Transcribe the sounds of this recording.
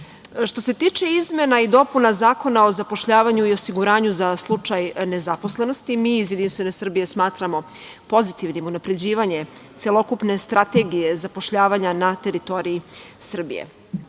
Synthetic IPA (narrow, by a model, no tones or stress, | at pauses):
ʃt̪o̞se̞t̪iːt͡ʃe̞izme̞naid̪o̞punazaːko̞nao̞zapo̞ʃʎaːʋaɲuio̞siɡuɾaːɲuzaslˠut͡ʂajne̞zapo̞sle̞no̞st̪imiːizjed̪inst̪ʋe̞ne̞sr̩bije̞smaːt̪ɾamo̞ | po̞zit̪iʋnimunapɾe̞d͡ʑiːʋaɲe̞ | t̪selˠo̞kupne̞st̪ɾat̪e̞ɡije̞zapo̞ʃʎaːʋaɲanat̪e̞ɾit̪o̞ɾiisr̩bḭjḛ